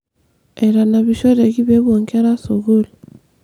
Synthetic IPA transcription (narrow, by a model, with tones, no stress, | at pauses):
e˨ɾa˨na˨βiʃo˦ɾe˨ɣi˦βe˦βwo˨ŋke˦ɾa˦so˨ɣo˦li